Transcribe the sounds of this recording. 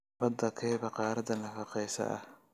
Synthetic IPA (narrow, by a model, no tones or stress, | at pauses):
bɐd̪ɐkʰɛːβɐqɑːɾɐd̪ɐnɐfɑqɛjsɐ̰ʔɐ̰h